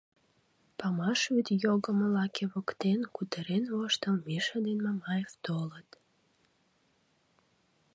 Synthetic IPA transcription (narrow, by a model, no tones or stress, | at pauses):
pɑmɑʃβyt̪joɣəməlɑkʰeβəkt̪enkut̪əɾenvoʃt̪əmmeʃəd̪enmɑmɑjevt̪olət̪